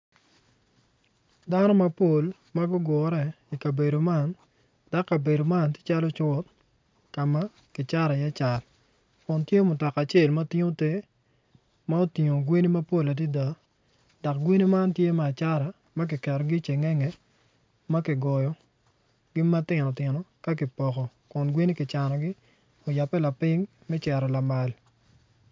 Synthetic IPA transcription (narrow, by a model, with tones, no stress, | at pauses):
da˦nɔ˦ma˦po˨l | ma˦ɡʊ˦ɡwɔ˨ɾɛ˦˨ | i˨ka˨be˨do˨ma˦n | da˦kːa˨be˨do˨ma˦˨ntɪ̥˦t͡ʃa˦lɔ˦t͡ʃɔ˦t̚ | ka˨ma˦ | kɪ˨t͡ʃa˦ɾa˨jɛ˦t͡ʃa˨l | kʊ˨ntje˦mʊ˨tɔ˨ka˨t͡ʃe˦˨lma˦tɪ˦ŋo˦te˦ | ma˦o˦tɪ˨ŋo˨ɡwi˦ni˦ma˦po˦la˨di˦da˨ | dɔ˨kɡwe˦ni˦ma˦ntje˦mɛ˨a˨t͡ʃa˦ɾa˨ | ma˦k̬ɪ˨kɛ˨ɾɔ˨ɡi˦t͡ʃe˨ŋɛ˦ŋɛ˨ | ma˦kɪ˨ɡɔ˨jɔ˨ | ɡ̥ɪ˦ma˦tɪ˨nɔ˨tɪ˨nɔ˨ka˦k̬ɪ˨pɔ˨kɔ˨ | kʊ˨nɡwe˦ni˦kɪ˨t͡ʃa˨nɔ˨ɡɪ˦ | o˨ja˨pːɛ˦la˨pɪ˦ŋ | mɛ˦t͡ʃɛ˨ɾɔ˨la˨ma˨l